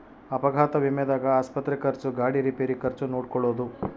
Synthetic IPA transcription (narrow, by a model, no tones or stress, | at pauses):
ɐpɐɡʱaːt̪ɐʋimed̪aːɡɐaːspɐt̪ɾekɐɾt͡ʃuɡaːɽiɾipeːɾikɐɾt͡ʃunoːɽkɔɭːoːd̪u